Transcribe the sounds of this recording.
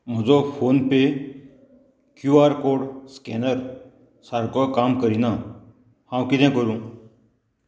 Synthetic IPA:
m̤əd͡zɔfonpe | kjuaɾkoɽskɛ̰nəɾ | saɾkɔkamkəɾina | hãwkit̪ɛ̃kəɾũ

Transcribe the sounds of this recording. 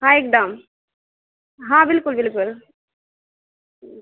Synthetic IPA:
ɦãek̚ɖam | ɦãːbɪlkʊlbɪlkʊl

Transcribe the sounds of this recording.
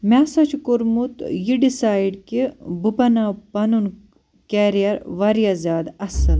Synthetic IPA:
mʲasɐt͡ʃʰkuɾmut̪jiɖisaːjɖkibupɐnapɐnun | keːɾijɐɾʋɐɾijazʲjaːd̪ɐsɐl

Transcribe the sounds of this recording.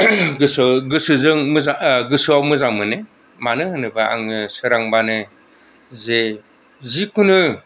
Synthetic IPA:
ɡɯsɡɯsɯzɯŋmɯzaɡɯsɯawmɯzaŋmɯnɯ | manɯnɯbaa̰ŋnɯsɯɾaŋbanɯ | ze | zikunɯ

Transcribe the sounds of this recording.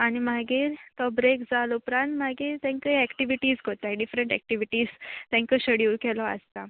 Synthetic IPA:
aɽ̃imaɡiːɾt̪ɔbɾekd͡zalupɾãnt̪maɡiːɾt̪ãŋkəjɛkʈiʋiʈiːsɡʱot̪aiɖifɾeɳʈɛ̰k̚ʈiʋiʈiːzt̪ãŋkəɕəɽiuːɾkɛlɔə̰st̪a

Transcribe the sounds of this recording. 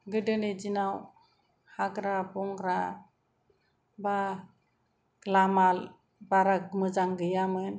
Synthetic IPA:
ɡɯdɯned͡ʒinaw | haɡɾabɔŋɡɾa | ba | ɡlamal | baɾaɡmɯd͡ʒaŋɡɯjamɯn

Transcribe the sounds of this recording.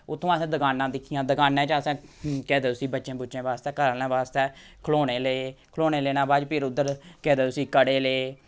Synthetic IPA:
ʊt̪ʰːõːəsɛ̃ːd̪əkaːnːãːd̪ɪkʰːɪjãːd̪əkaːnẽːt͡ʃaəsɛ̃ːkɛːd̪eːʊsiːbətːʃẽːbʊːt͡ʃẽːbaːst̪ɛːkəɾlãːbaːst̪ɛː | kʰloːɽeːləeːkʰloːneːleːnãːbaːd͡ʒpʰɪɾʊd̪ːəɾkɛːd̪eːʊsiːkəɽeːleː

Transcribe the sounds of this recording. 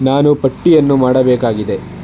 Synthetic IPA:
naːnupɐʈːijɐnːumaːɽɐbɛːkaːɡid̪e

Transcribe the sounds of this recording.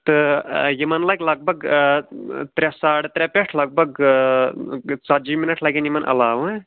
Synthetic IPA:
t̪ɨjimɐnlɐɡʲlɐɡ̚bʱɐɡ | t̪ɾʲɛsaːɽt̪ɾʲɛpʲeʈʰlɐɡ̚bɐɡ | t͡saɾd͡ʒiminɐʈʰlaɡʲinjimɐnʔɐ̰laːʋ

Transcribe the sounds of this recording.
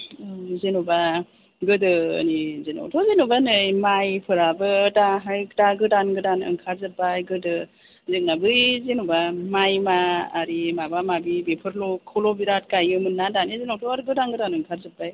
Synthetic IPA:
zenuba | ɡɯdɯ̰nizenɔ̰wtʰɔzenubanɯjmajpʰɯɾabɯtaɦajktaɡɯdanɡɯdanɯ̰ŋkʰaɾzɯpːajɡɯdɯ | zek̚nabɯjzenubamajmaːɾimabamabibepʰɯɾlɔkʰːɯlɔbiɾat̚kajɯmɯnːadanizenowtʰɔaɾɡɯdanɡɯdanɯŋkʰaɾzɯpːaj

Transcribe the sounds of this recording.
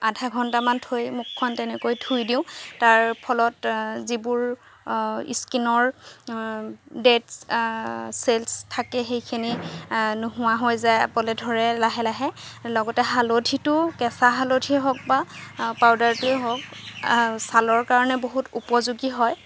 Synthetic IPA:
adʱaɡʱɔntamantʰojmʊkʰːɔntɛnɛkojtʰujdĩʊ̃taɹpʰɔlɔtzibʊɹ | ḭskinɔɹ | det | selstʰakɛxejkʰininʊɦʊwaɦojzajapɔlɛdʱɔɹɛlaɦɛlaɦɛlɔɡɔtɛɦalotʰitʊkɛsaɦalotʰiɦɔk̚bapawdaɹtʊɛɦɔk̚ | salɔɹkaɹɔnɛboɦutupɔzuɡiɦɔj

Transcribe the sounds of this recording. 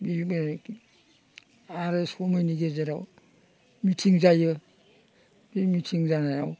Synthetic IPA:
bie | aɾesɔmajniɡezeɾaw | mitʰiŋzajɯ | bimitʰiŋzanajaw

